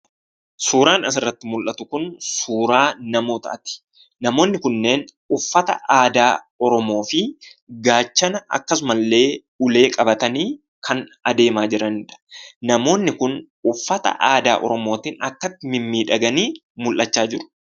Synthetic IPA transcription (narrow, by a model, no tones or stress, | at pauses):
suːɾaːnɐs̬ɪrːɐt̪ːɪmʊlʔɐt̪ʊkʊnsuːɾaːnɐmo̞ːt̪ɐ̰ʔɐt̪ɪ̥ | nɐmo̞ːnːɪkʊnːe̞ːn | ʊfːɐt̪ɐ̰ʔaːd̪aː | ɔɾɔmo̞ːfɪɡaːt͡ʃːɐnɐʔɐ̰kːɐsʊmɐlːe̞ː | ʊle̞ːkʼɐbɐt̪ɐniː | kʰɐnɐd̪e̞ːmaːd͡ʒɪɾɐnɪᶑɐ̥nɐmo̞ːnːɪkʊn | ʊfːɐt̪ɐ̰ʔaːd̪a̰ːʔɔ̰ɾɔmo̞ːt̪iːnɐkːɐt̪ːɪmɪmːiːᶑɐɡɐniː | mʊlʔɐt͡ʃːaːd͡ʒɪɾʊ̥